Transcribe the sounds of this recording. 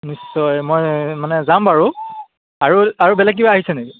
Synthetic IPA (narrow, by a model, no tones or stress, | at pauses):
nisːɔjmojmanɛzambaɹu | aɹuaɹubɛlɛɡ̬̚ibaaɦisɛneki